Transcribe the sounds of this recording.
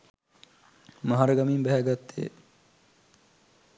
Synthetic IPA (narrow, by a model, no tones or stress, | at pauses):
maɦaɾəɡamimbæɦæɡat̪ːḛ